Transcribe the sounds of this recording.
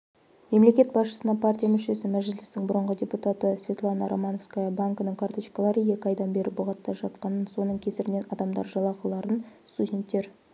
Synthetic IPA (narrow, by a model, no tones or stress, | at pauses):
me̞mle̞kʲe̞t̪̚bɑsʃə̥sənɑpʰartʲijamʏʃe̞sɪmæʒɪlɪst̪ɪŋbʊɾəɴʁədʲe̞put̪at̪əsvʲe̞t̪lˠanɑɾʔomano̞fskajɑbaŋkənəŋkʰart̪oʃkalˠɑɾəje̞kʲɪɑjd̪ɑnbe̞ɾɪbʊʁɑt̪ːɑʒɑt̪̚qɑnənso̞nəɴkʲʰe̞sɪɾɪne̞nɑd̪ɑmd̪ɑ̰ɾʒɑlˠɑqəlˠɑɾənst̪udʲe̞nt̪ːe̞ɾ